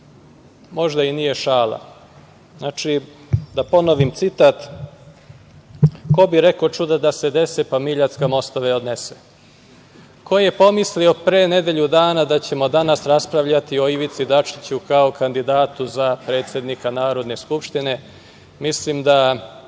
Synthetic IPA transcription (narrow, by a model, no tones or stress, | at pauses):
mo̞ʒd̪ainije̞ʃaːlˠa̰ | znat͡ʂi | d̪apo̞noʋimt̪sit̪at̪ | ko̞biɾekot͡ʂud̪ad̪ase̞d̪e̞sepamiʎat̪skamo̞st̪oʋeo̞d̪nese̥ | ko̞je̞po̞mislio̞pɾeːne̞d̪e̞ʎud̪aːnad̪at͡ɕe̞mo̞d̪anasɾaspɾaʋʎat̪io̞iʋit̪sid̪at͡ʂi̥t͡ɕukaokand̪id̪aːt̪uzapɾe̞ːt̪sʲe̞d̪nikanaːɾo̞d̪ne̞skupʃt̪ine̞ | mislimd̪a